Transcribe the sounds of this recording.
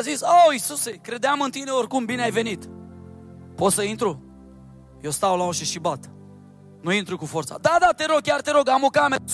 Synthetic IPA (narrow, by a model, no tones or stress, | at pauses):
azisoisusekɾe̞d̪eamɨnt̪ineorkumbineajve̞nit̪ | pot̪səint̪ɾu | jewst̪awlaoʃiʃibat̪ | nuint̪ɾukufort̪sa̰d̪ad̪at̪e̞ɾo̞ɡ̚kʲjart̪eɾoɡamo̞kame